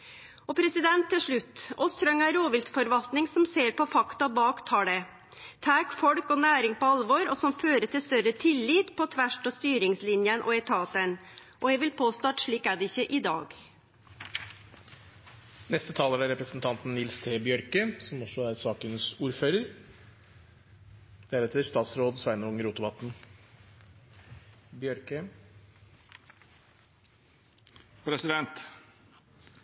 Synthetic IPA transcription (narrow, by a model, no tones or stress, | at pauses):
ɔpʰɾɛsɪd̪ɛnt̪ʰːɪlʂɭʉt̪ːɔst̪ʰɾœŋæɾoːʋɪlt̪fɔɾʋɑlt̪nɪŋsɔmseːɾpɔfɑkt̪ɑbɑːkt̪ʰɑːɽɛ | t̪ʰæːkfɔɽkɔnæːɾɪŋpɔɑlʋɔɾɔsɔmføːɾəʈɪlst̪œɾət̪ʰɪlːiːt̪pʰɔt̪ʰʋæʂʈost̪yːɾɪŋslɪnjənʔɔ̰ɛt̪ʰɑːt̪ɛn | ʔɔjɛʋɪlpʰoːst̪ɑːʈʂɭiːkæɖɛɪçːəʔɪd̪ɑ̰ːɡ | nɛst̪ət̪ʰɑːləɾæɾɛpɾəsn̩t̪ʰɑnt̪n̩nɪlst̪ʰeːbjœɾkəsɔmɔsɔæɾsɑːkənəsuːɾføːɾəɾ | d̪̥ɛæɾɛt̪ʰɛəʂt̪ɑːt̪sɾoːd̪sʋæɪnəɔʊŋəɾuːt̪ʊʋɑt̪n̩ | bjœɾkə | pʰɾɛsɪd̪ɛnt̪